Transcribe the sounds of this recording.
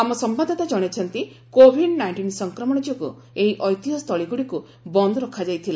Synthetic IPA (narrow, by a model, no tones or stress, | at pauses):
amɔsɔmbad̪ʱɔt̪ad͡ʒɔɽ̃et͡ʃʰɔnt̪i | kobʱiɖnajɳʈinsɔŋkɾɔmɔɽ̃ɔd͡ʒiɔkṵ | eɦiʔɔjt̪iɦɔst̪ʰɔɭiɡuɽiku | bɔnd̪ʱɔɾɔkʰad͡ʒajt̪ʰila